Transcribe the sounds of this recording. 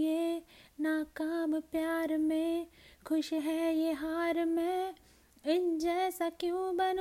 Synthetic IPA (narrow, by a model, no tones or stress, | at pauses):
jenaːkaːmpjaːɾmẽkʰʊʃɦɛjeɦaːɾmẽ | ɪɲd͡ʒɛsɐkjũbɐn